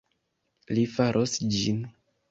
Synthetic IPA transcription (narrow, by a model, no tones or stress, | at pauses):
lifaɾʔosd͡ʒin